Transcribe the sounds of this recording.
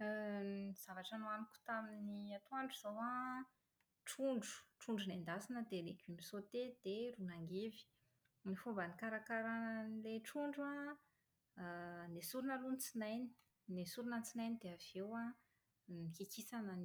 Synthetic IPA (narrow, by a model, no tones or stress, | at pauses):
iz̥avaʈ͡ʂanuanikʲu̥t̪aminniat̪uaɳɖ͡ʐuz̥owa | ʈ͡ʂuɳɖ͡ʐu̥ʈ͡ʂuɳɖ͡ʐunend̪asinəd̪eleɡimisot̪ed̪eɾunaŋɡevi̥ | nifombanikaɾakaɾanleʈ͡ʂuɳɖ͡ʐa | nesuɾunəlunt͡sinajni̥ | nesuɾunət͡sinajnid̪eav̥ewa | nikikisanən